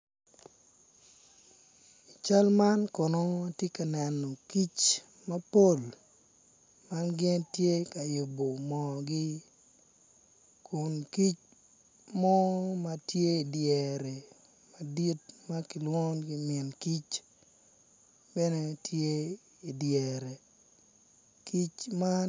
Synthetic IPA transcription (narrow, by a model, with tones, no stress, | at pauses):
i˨t͡ʃa˦lma˦nkɔ˨nɔ˦tje˦ka˨nɛ˨nːɔ˨ki˦t͡ʃ | ma˦po˦˨l | ma˦nɡɛ˦ntje˦ka˨jo˨bo˨mɔ˨ɡɪ˦ | ku˨nki˦t͡ʃ | mɔ˦matje˦i˨djɛ˨ɾe˨ | ma˨di˦t̚ma˦ki˨lwo˦nɡɪ˦mɪɪ˨nki˦t͡ʃ | bɛ˦ne˦tje˦ | i˨djɛ˨ɾe˨ | ki˦t͡ʃma˦